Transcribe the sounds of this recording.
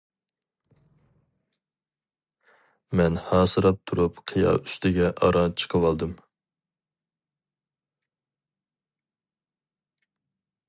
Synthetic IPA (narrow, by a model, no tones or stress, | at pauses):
mɛnhɑːsɨɾɑp̚t̪ʰuɾupqʰijɑ̰ːyst̪ɪɡʲɛʔɑɾʔɑt͡ʃʰə̥qʰəwɑlˠd̪ɨm